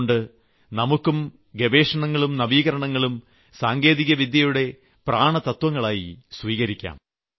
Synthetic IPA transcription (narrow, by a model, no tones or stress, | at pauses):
ɳɖɨ | nɐmukːum | ɡebe̞ːʂɐɳɐŋːɐɭumnɐʋiːɣɐɾɐɳɐŋːɐɭum | saːŋɡe̞ːðiɣɐʋid̪ʱjɐjuɽe̞ | praːɳɐt̪ɐt̪wɐŋːɐɭaːjisʋiːɣɐɾikʲːa̰ːm